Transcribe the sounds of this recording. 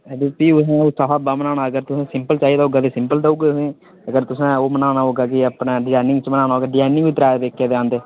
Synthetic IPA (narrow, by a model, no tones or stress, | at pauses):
ɛd̪eːpiːʊsɛ̃ːosaːfaːbaːmənaːnaːəɡəɾt̪ʊsẽːsɪmpəlt͡ʃaːɦiːd̪aːɦoːɡaːd̪eːsɪmpəld̪auːɡeːẽː | əɡəɾt̪ʊsãːoːmənaːnaːɦoːɡaːk̬ɪəpnaːɖɪzaːnɪ̃ŋɡt͡ʃmənaːñaːɦoːɡaːɖɪd͡ʒaːjnɪ̃ŋɡʋiːt̪ɾaːʋ̪eːkʰːeːd̪eãːnd̪eː